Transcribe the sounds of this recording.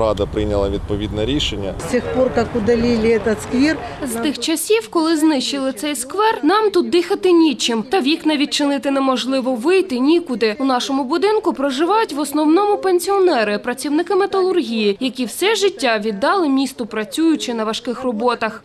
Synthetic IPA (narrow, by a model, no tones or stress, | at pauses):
ɾɑd̪ɐpɾɪnʲɐlˠɐʋʲid̪̚pɔʋʲid̪nɛɾʲiʃenʲːɐ̰sʲtʲixpork̪akʊd̪ɐlʲilʲɪɛt̪ɐt̪skʋʲerzt̪ɪxt͡ʃɐsʲiwkɔlˠɪznɪʃt͡ʃɪlˠɪt̪sɛjskʋɛrnɑmt̪ut̪̚d̪ɪxɐt̪ɪnʲit͡ʃɪmt̪ɐʋʲjʲiknɐʋʲid̪̚ʲt͡ʃɪnɪt̪ɪnɛmɔʒlˠɪʋɔʋɪjt̪ɪnʲikʊd̪ɪʊnɑʃɔmʊbʊd̪ɪnkʊpɾɐʒɪʋɑjʊtʲʋɔsnɔwnɔmʊpenʲsʲiɔnɛɾɪpɾɐt͡sʲiwnɪkɪmet̪ɐlˠʊrɦʲijijɐkʲiwsɛʒɪtʲːaʋʲid̪ːɑlˠɪmʲist̪ʊpɾɐt͡sʲujʊt͡ʃɪnɐʋɐʃkɪxrɔbɔt̪ɐx